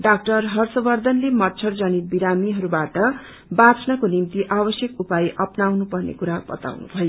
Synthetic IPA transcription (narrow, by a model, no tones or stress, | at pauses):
ɖak̚ʈʌrɦʌrsʌbʌrd̪ʱʌnlemʌtːt͡sʰʌrd͡zʌnibiɾamiɦʌɾubaʈʌ | bat͡sʰnʌkonimt̪iʔabʌsjʌkupajʔʌpnawnupʌrnḛkuɾabʌ̰t̪a̰wnṵbʱʌjo